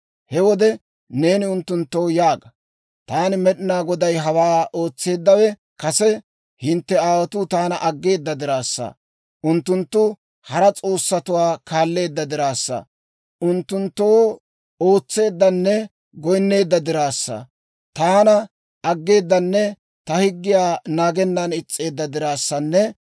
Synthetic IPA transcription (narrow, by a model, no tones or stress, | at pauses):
hɛwɔd̪ɛ | ne̞ːnɪʊnt̪ːʊnt̪ːowjaːɡɐ | t̪aːnɪmɛɗɪnaːɡɔd̪ɐjɦɐwaːo̞ːt͡sːe̞ːd̪ːɐwɛ | kɐsɛ | hɪnt̪ːɛaːwɐt̪ʊt̪aːnɐʔɐɡːe̞ːd̪ːɐd̪ɪɾaːsːɐ̰ | ʔʊnt̪ːʊnt̪ːʊ | hɐɾɐt͡sʼo̞ːsːɐt̪ʊwaːkaːlːe̞ːd̪ːɐd̪ɪɾaːsːɐ̰ | ʔʊnt̪ːʊnt̪ːoː | o̞ːt͡sːe̞ːd̪ːɐnːɛ | ɡɔjnːe̞ːd̪ːɐd̪ɪɾaːsːɐ̰ | t̪aːnɐ | ɐɡːe̞ːd̪ːɐnːɛ | t̪ɐhɪɡːɪjaːnaːɡɛnːɐnɪt͡sʼːe̞ːd̪ːɐd̪ɪɾaːsːɐnːɛ